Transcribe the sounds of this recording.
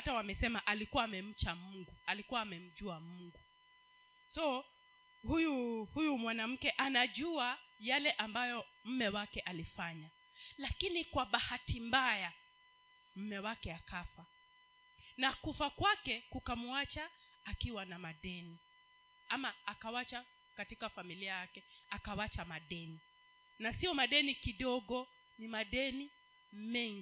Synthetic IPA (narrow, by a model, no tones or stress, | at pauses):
atawamɛsɛmaʔalikuwaːmɛm̩t͡ʃamuŋɡualikuwaːmɛm̩ʄuamuŋɡu | sɔ | hujuhujumwanam̩kɛʔanaʄuajalɛʔambajɔm̩mɛwakɛʔalifaɲa | lakinikwaɓahatimbaja | m̩mɛwakɛakafa | nakufakwakɛkukamuat͡ʃaː | kiwanamaɗɛni | amaːkawat͡ʃa | katikafamiliajakɛakawat͡ʃamaɗɛni | nasiɔmaɗɛnikiɗɔɠɔ | nimaɗɛni | mɛŋɡ